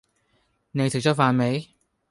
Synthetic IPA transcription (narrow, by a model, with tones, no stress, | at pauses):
ne˨˧jt̪ʰi˨˩t͡ɕɔ˥faː˧nme˨˥˦j